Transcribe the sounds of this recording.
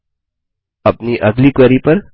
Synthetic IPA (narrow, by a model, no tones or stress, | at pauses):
ɐpniʔɐɡlikʋəɾipəɾ